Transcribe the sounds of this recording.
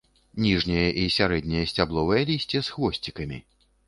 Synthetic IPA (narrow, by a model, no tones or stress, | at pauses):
nʲiʐnʲijɐʔisʲaɾɛd̪ʲnʲijɐsʲt͡sʲablˠɔvɐjɐlʲisʲt͡sʲɛsxvɔsʲt͡sʲikɐmʲḭ